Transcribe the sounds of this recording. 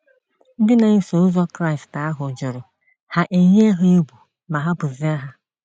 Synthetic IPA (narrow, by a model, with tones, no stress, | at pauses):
dɪ˦na˨˦so˨ʊ˦zɔ˦kɾa˦˨i˨sta˦ɦʊ˨d͡ʒʊ˨ɾʊ˨ | ha˨ʔe˨ɲ˦e˦ɦʊ˦e˦bu˨ | ma˨ɦa˦bʊ˨zɪ˦a˦ɦa˦